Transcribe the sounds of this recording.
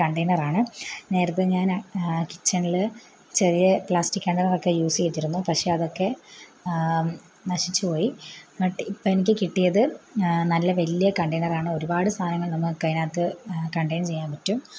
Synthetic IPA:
kɐɳɖejnɐraːɳɨne̞ːɾɐt̪ːɨɲːaːnki̥t͡ɕːɐɳilɨ | t͡ɕerijepɭaːsʈikʲːɐɳɖɐnɐrokːejuːsɨɣitːiɾunːupɐkʂe̞ɐðo̞kːe̞ | nɐɕit͡ɕːɨpo̞ːjimɐʈːipːoːenikʲːɨkiʈːijɐðɨnɐlːɐʋɐlijɐkɐɳɖejnɐraːɳɨo̞ɾubaːɽɨst̪ʰaːnɐŋːɐɭnɐmːɐkɐjnaːt̪ːɨkɐɳɖɐjnt͡ɕe̞jːaːnpɐtːum

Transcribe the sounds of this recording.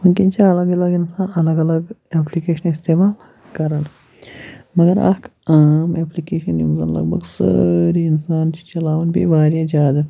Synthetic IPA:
mʊmkint͡ʃʰiɐlɐɡɐlɐɡɪnsaːnɐlɐɡɐlɐɡeːplikeːʃɐnɪst̪eːmaːl | kɐɾən | mɐɡɐɾɐ̰kaːmeːplikeːʃɐnimuzɐ̰nlɐ̰ɡ̚bʱɐ̰ɡsə̰ɾiɪnsaːnt͡ʃʰi̥t͡ʃɐlaːʋunbʱḭʋaːɾjad͡ʒaːd̪ɐ

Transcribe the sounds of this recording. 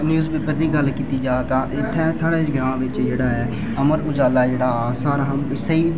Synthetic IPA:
njuːzpeːpəɾd̪iːɡəlkiːt̪iːd͡ʒaːt̪ãːʔɪt̪ʰːɛ̃ːsaːɽeːɡɾãːɳʋɪt͡ʃd͡ʒeːɽaːɦɛː | əməɾʊd͡ʒaːlaːd͡ʒeːɽaːsaːɾaɦsəiː

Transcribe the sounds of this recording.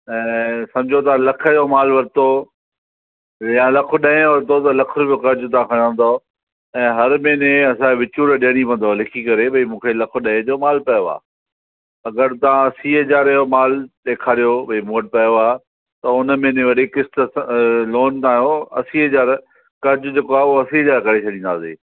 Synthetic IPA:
ɛ̃ːsɐ̃md͡ʑʱot̪ɐãlɐkʰəjomaːlʋɐɾɪt̪o | jãlɐkʰʊɗɐ̃ɪ̃ʋɐɾɪt̪ot̪ɐlɐkʰʊɾbijokɐɾd͡ʑʊt̪ɐãkʰɐɽə̃nd̪oː | ɛ̃ːɦɐɾmẽːneɐsãkʋɪt͡ɕuːɾɗeɽ̃ipɐ̃n̆d̪olɪkʰikɐɾebɐimũːkʰelɐkʰoɗɐ̃ɦɪ̃d͡ʑomaːlpɐjoa̰ː | ɐɡəɾt̪ɐʋãɐsiːɐd͡ʑaːɾɐjomaːlt̪ekʰaːɾijobɐimuːəʈ̚pɐjoaː | t̪ɐʊnmẽnẽʋɐɗikɪst̪əloːnt̪aːjoɐ̰siːɦɐd͡ʑaːɾ | kɐɾd͡ʑʊd͡ʑekoaːoɐsiɦəd͡ʑaːɾkɐɾet͡ɕʰɐɗĩːnd̪a̰ːsḛː

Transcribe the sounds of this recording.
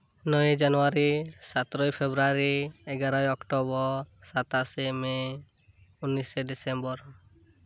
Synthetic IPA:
nɔd͡ʒanuaɾisat̪ɾɔjpʰebɾaɾiɛɡaɾajɔkʈɔbɔsat̪aseme | unːiseɖisembɔɾ

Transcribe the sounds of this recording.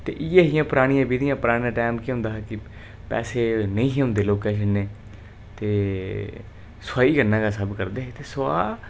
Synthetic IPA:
t̪ḛːʔɪjãːɦɪjãːpəɾaːɽ̃ijãːbiːd̪ijãːpəɾaːɽ̃ijãːʈaːmkiɦʊ̃nd̪aːɦɛːkɪ | pɛ̰ːseːnəĩːɦiːɦʊ̃nd̪eːloːkeːʃənːeː | t̪eː | saːiːkəɾnãːkaːsəbkəɾd̪eːet̪eːsʊa̰ː

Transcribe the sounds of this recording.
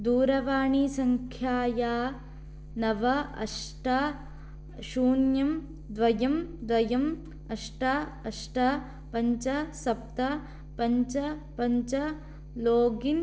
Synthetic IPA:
d̪uːɾɐʋaːɳisɐŋkʰjaːjaː | nɐʋɐɐ̰ʂʈɐ | ʃuːɳjɐm | d̪ʋɐjɐmd̪ʋɐjɐm | ɐʂʈɐ | ɐʂʈɐ | pɐɲt͡ʃɐsɐp̚t̪ɐ | pɐɲt͡ʃɐpɐɲt͡ʃɐ | loːɡin

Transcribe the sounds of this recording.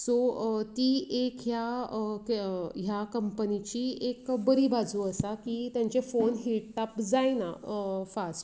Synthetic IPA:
sot̪iːekja | ɦjakəmpənit͡ɕiːekbəɾibad͡zʱuːəsakit̪jãɲt͡sefonɦiʈʈapd͡zajna̰fasʈ

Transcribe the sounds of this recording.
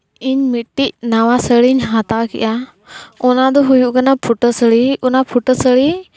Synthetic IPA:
iɲmɪʈːiʔ̚naʋasəɭiɲɦat̪akḭʔa | ʊnad̪ɔɦujuʔkənapʰʊʈəsəɭiʊnapʰʊʈəsəɭi

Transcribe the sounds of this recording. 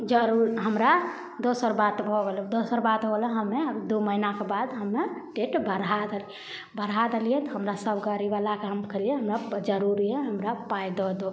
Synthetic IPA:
d͡ʒəɾuɾɦəmɾa | d̪osəɾbat̪bʱɔɡeld̪osəɾbat̪ɦoləɦəmːeəbd̪oməɦinakebad̪ɦəmːeʈeʈbəɾad̪el | bəɾɦad̪elijɛt̪ɔɦəmɾasəbɡəɾibalakeɦəmkeliɛɦəmɾad͡ʒəɾuɾiɦɛɦəmɾapajd̪ɔd̪o

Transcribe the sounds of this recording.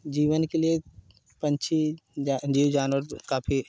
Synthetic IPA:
d͡ʒiːʋənkelie | pɐ̃ɲt͡ʃʰi | d͡ʒiːwd͡ʒaːnʋəɾkaːpʰi

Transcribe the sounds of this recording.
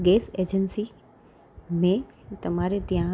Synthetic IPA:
ɡeːseːd͡ʑənsi | mẽt̪ɐmaːɾet̪ijã

